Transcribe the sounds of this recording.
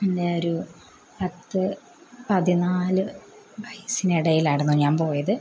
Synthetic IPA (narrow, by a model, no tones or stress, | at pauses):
pindeoɾu | pɐt̪ːɨ | pɐðinaːlɨ | ʋʱɐjsiniɽɐjilaːɽunːuɲaːnpo̞ːjɐðɨ